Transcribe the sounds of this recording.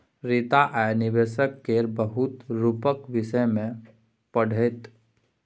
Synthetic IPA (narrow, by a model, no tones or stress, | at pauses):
ɾit̪aʔɛnɪʋeːʃəkːeɾbəɦʊt̪ɾupəkʋɪʃəjmẽ | pəɽ̤ʱet̪